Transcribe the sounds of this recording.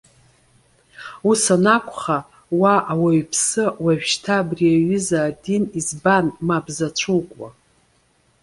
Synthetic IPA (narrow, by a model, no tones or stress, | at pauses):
usanakʷʼχa | waʔawaɥpʰsɨwaʒᶣʃtʰaːbriaɥʏzaːdinizbanmabzat͡ʃʷʰuwkʷʼwa̰